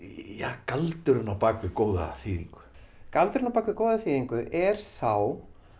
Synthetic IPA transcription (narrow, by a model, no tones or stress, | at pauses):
jaːkalt̪ʏɾʏnawpaːkvɪkoːwða̰θiːðḭŋkʏ̥ | kalt̪ʏɾʏnawpaːkvɪkoːwðaθiːðiŋkʏʔɛɾ̥saw